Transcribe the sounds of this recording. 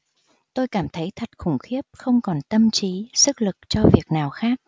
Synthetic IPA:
t̪o˧jkaː˧˩mt̪ʰə˨˦jt̪ʰə˨˩t̚xʊ˧˩ŋ͡mxi˦˥əp̚xə˧wŋ͡mkɔ˨˩nt̪ə˧mt͡ɕi˨˦sɨ˦˥k̚lɨ˨˩k̚t͡ɕɔ˧vi˨˩ək̚naː˨˩wxaː˦˥k̚

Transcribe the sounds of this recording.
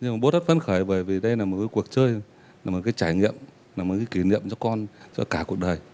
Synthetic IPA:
ɲɨ˧ma˨˩ɓo˦˥t̪ə˦˥t̚fə˧˦nxəː˧˩jvəː˨˩jvi˨˩ɗə˧jlaː˨˩mo˨˩t̚kaː˨˦jku˨˩ək̚t͡ɕəː˧j | laː˨m˨˩t̚kaː˨˦jt͡ɕaː˧˩jŋḭ˧˨əm | laː˨˩mo˨˩t̚kaː˨˦ki˧˦nḭ˧˨əmt͡ɕɔ˧kɔ˧nt͡ɕɔ̰˧kaː˧˩ku˨˩ək̚ɗəː˨˩j

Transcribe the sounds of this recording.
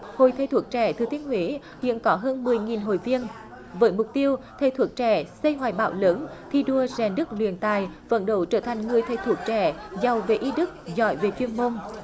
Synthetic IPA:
ho˨˩jt̪ʰə˧jt̪ʰu˨˦˩ək̚t͡ɕɛ˧˩t̪ʰɨ˨˩t̪i˧ənhwi˨˦ | hḭ˧˨ənkɔ˨˦ɦəː˧nmɨ˨˩əjŋi˨˩nɦo̰˧˨jvi˧ən | vəː˨˦jmʊ˨˩k͡p̚t̪i˧əwt̪ʰə˨˧˩jt̪ʰu˨˩ək̚t͡ɕɛ˧˩sə˧jɦwa̰ː˧˩jɓa̰ː˧˩wləː˨˦nt̪ʰi˧ɗu˧əzɛ˨˩nɗɨ˦˥k̚lwḭ˧˨ənt̪aː˨˩jvə̰˧˥nɗə̰˧˩wt͡ɕəː˧˩t̪ʰa˨˩ŋ̟ŋɨ˨˩əjt̪ʰə˧˩jt̪ʰu˧˩ək̚t͡ɕɛ˧˩za˨˩wve˨˩ʔi˧ɗɨ˦˥k̚zɔ̰˧˩jve˨˩t͡ɕwi˧ənmo˧n

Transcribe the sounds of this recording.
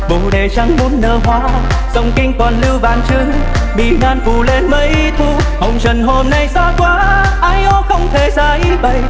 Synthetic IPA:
ɓu˨˧˩ɗe˨˩t͡ɕa˧ŋmu˨˦nːəː˧˩ɦwaː˧˦ | zə˧˩wŋ͡mkï˧ŋ̟kɔ˨˩nlɨ˧wɓaː˨˩nt͡ɕɨ˧˦ŋ | ɓḭ˧˨˩naː˧nfu˧˨˩le˧nmə˧˦jʔt̪ʰu˧˩ | ho˨˧wŋ͡mt͡ɕə˨˩nɦo˧mna˧jsaː˧kwaː˨˧˦ʔaː˧˩jʔɔ˧˦xə˧wŋ͡mt̪ʰe˧˩zaː˧˩ʔi˧˦ɓə˧˩j

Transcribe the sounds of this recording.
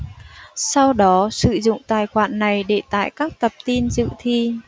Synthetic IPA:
sa˧wɗɔ˨˦sɨ̰˧˨zʊ̰˧˨ŋ͡mt̪aː˨˩jxwaː˧˩nːa˨˩jɗe˧˩t̪a̰ː˧˨jkaː˦˥k̚t̪ə˨˩p̚t̪i˧nzɨ̰˧˨t̪ʰi˧

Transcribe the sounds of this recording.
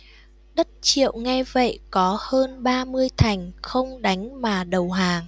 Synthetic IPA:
ɗə˦˥t̚t͡ɕḭ˧˨əwŋɛ˧jvə̰˧˨jkɔ˨˦həː˧nɓaː˧mɨ˧əjt̪ʰa˨˩jŋ̟xə˧wŋ͡mɗa˨˦jŋ̟maː˨˩ɗə˨˩wɦaː˨˩ŋ

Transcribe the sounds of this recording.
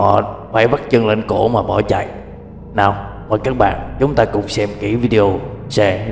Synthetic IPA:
hɔ̰˧˨faː˧˥jva˦˥t̚t͡ɕə˧ŋlə˧˨nko˧˩maː˨˩ɓɔ˧˩t͡ɕa̰˧˨j | naː˨˩wvaː˨˩kaː˦˥k̚ɓa̰ː˧˨nt͡ɕʊ˨˦ŋ͡mt̪aː˧kʊ˧˨˩wŋ͡msɛ˧mki˧˩vi˧ɗe˧o˧sɛ˧

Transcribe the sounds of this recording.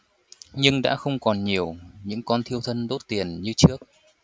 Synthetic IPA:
ɲɨ˧ŋɗa̰ː˧˥xə˧wŋ͡mkɔ˨˩nɲi˨˩əwɲɨ̰˧˥ŋkɔ˧nt̪ʰi˧əwt̪ʰə˧nzo˦˥t̚t̪i˨˩ənɲɨ˧t͡ɕɨ˦˥ək̚

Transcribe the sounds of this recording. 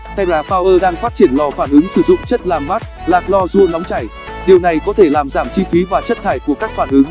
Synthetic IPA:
t̪ʰa˧jzaː˨˦faː˧wʔəː˧ɗaː˧ŋfaː˦˥t̚t͡ɕi˧˩ənlɔ˨˩faː˧˩nʔɨ˨˦ŋsɨ˧˩zʊ̰˧˨ŋ͡mt͡ɕə˦˥t̚laː˨˩mmaː˦˥t̚ | laː˨˩k̚lɔ˧zu˧nɔ˨˦wŋ͡mt͡ɕa˧˩j | ɗi˨˩əwna˨˩jkɔ˨˦t̪ʰe˧˩laː˨˩mzaː˧˩mt͡ɕi˧fi˨˦vaː˨˩t͡ɕə˦˥t̚t̪ʰaː˧˩jku˧˩əkaː˦˥k̚faː˧˩nʔɨ˨˦ŋ

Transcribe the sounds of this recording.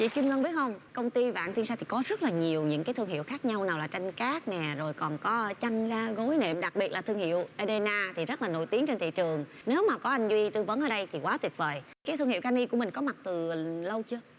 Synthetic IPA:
t͡ɕḭ˧˨ki˧mŋə˧ŋɓi˨˦˥ət̚hə˧wŋ͡mkə˧wŋ͡mt̪i˧va̰ː˧˨nt̪i˧nsa˧t̪ʰi˨˩kɔ˨˦zə˦˥t̚laː˨˩ɲi˨˩əwɲɨ̰˧˥ŋkaː˨˦jt̪ʰɨ˧əŋhḭ˧˨əwxaː˦˥k̚ɲa˧wnaː˨˩wlaː˨˩t͡ɕa˧jŋ̟kaː˦˥k̚nɛ˨˩zo˨˩jkɔ˨˩nkɔ˨˦˧t͡ɕa˧jŋzaː˧ɣo˨˦jnḛ˧˨mɗa˨˩k̚ɓi˨˩ət̚laː˨˩ɨ˧əŋhḭ˧˨əwʔe˧ɗe˧naː˧t̪ʰi˨˩zə˦˥t̚laː˨˩no̰˧˩˨jt̪i˨˦əŋt͡ɕe˧nt̪ʰḭ˧˨t͡ɕɨ˨˩əŋ | ne˨˦wmaː˨˩kɔ˨˦ʔa˧jŋ̟zwi˧t̪ɨ˧və˨˦nʔəː˧˩ɗə˧jt̪ʰi˨˩kwaː˨˦t̪wi˨˩ət̚və̰ː˨˩jkaː˨˦t̪ʰɨ˧ŋhḭ˧˨wkaː˧ni˧ku˧˩əmï˨˩ŋ̟kɔ˨˦ma˨˩t̚t̪ɨ˨˩lə˧wt͡ɕɨ˧ə

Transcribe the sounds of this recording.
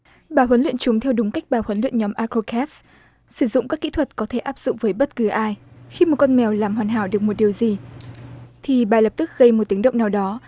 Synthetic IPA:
ɓaː˧˩ɦwə˨˦nlḭ˧˨ənt͡ɕʊ˨˦ŋ͡mt̪ʰɛ˧wɗʊ˨˦ŋ͡mka˦˥jk̟̚ɓaː˨˩hwə˨˦nlḭ˧˨ənɲɔ˨˦mʔaː˧ko˧kʰɛ˦˥ts | sɨ˧˩zʊ̰˧˨ŋ͡mkaː˦˥kːḭ˧˥t̪ʰwə˨˩t̚kɔ˨˦t̪ʰe˧˩ʔaː˦˥p̚zʊ̰˧˨ŋ͡mvəː˨˦jɓə˦˥t̚kɨ˨˦ʔaː˧jxi˧mo˨˩t̚kɔ˧nmɛ˨˩wlaː˨˩mhwaː˨˩nɦa̰ː˧˩wɗɨ˨˩ək̚mo˨˩t̚ɗi˨˩əwzi˨˩ | t̪ʰi˨˩ɓaː˨˩lə˨˩p̚t̪ɨ˦˥k̚ɣə˧jmo˨˩t̚t̪ɨ˨˦ŋɗə̰˧˨wŋ͡mnaː˨˩wɗɔ˨˦

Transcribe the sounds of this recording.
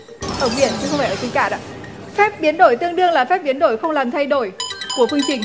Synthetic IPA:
ʔəː˧˩ɓḭ˧˩ənt͡ɕʰɨ˧xə˧wfaː˧˩ʔə˧˩t͡ɕi˨˦ŋ̟kaː˧˩ɗa̰ː˧˥ | fɛ˦˥p̚ɓi˨˦ənɗo˧˩jt̪ɨ˧əŋɗɨ˧əŋlaː˨˩fɛ˦˥p̚ɓi˨˦ənɗo˧˩jxə˧wŋ͡mlaː˨˩mt̪ʰa˧jɗo˧˩jku˧˩əfɨ˧əŋt͡ɕï˨˧˩ŋ

